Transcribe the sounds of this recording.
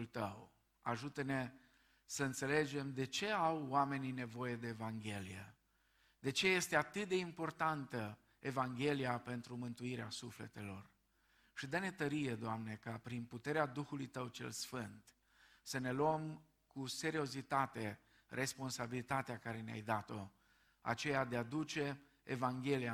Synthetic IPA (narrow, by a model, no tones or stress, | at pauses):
lt̪əw | a̰ʒut̪ene̞ | səɨnt̪se̞le̞d͡ʒe̞md̪e̞t͡ʃe̞awːame̞nine̞vo̞je̞d̪e̞ːvaŋɡʲe̞lijḛ | d̪e̞t͡ʃe̞je̞st̪e̞at̪ɨt̪̚d̪e̞impo̞rt̪ant̪ə | evaŋɡʲe̞lijape̞nt̪ɾumɨnt̪uiɾeasuflḛt̪e̞lo̞r | ʃid̪əne̞t̪əɾije̞d̪oamne̞kapɾinput̪e̞ɾead̪uxulujt̪əwt͡ʃe̞̰lsfɨnt̪ | səne̞loəm | kuse̞ɾio̞zit̪at̪e̞ | rʔe̞spo̞nsabilit̪at̪eakaɾe̞nea̰jd̪at̪o̞ | a̰t͡ʃe̞jad̪ead̪ut͡ʃe̞ː | vaŋɡʲe̞lia